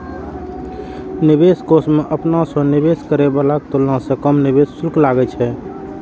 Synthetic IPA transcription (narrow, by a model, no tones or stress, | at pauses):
nibeskosmeʔəpnasə̃nibeskəɾebalak̚t̪olnãsẽkəmnibessulklaɡɛt͡ʃʰɛ